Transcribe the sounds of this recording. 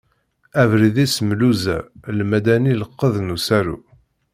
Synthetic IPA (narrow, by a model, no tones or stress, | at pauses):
ævɾiðismluzæ̰lmæd̪æniləqːəðnusæɾṵ